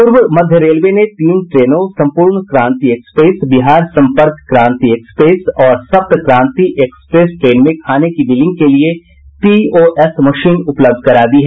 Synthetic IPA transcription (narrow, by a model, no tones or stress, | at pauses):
pʊɾʋəmɐd̪ʱjəɾeːlʋenet̪iːnʈɾeːnõsɐ̃mpuːɾɳkɾãːnt̪iekspeːsbɪɦaːɾsɐ̃mpəɾkːɾãːnt̪iekspɾeːsɔːɾsɐb̚t̪kɾãːnt̪iʔekspɾeːsʈɾeːnmẽkʰaːnekibɪlɪ̃ŋɡ̚kelie | pioːʔɛsmɐʃiːnʊpləb̚d̪̚ʱkɐɾaːd̪iɦɛ